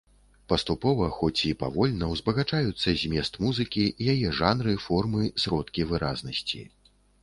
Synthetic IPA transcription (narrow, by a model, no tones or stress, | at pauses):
pɐst̪upɔvɐxɔt͡sʲipa̰vɔlʲnɐwzbɐɣat͡ʂajut̪sːɐzʲmʲɛst̪muzɨkʲijajɛʐanɾɨfɔrmɨsɾɔt̪kʲivɨɾaznɐsʲt͡sʲḭ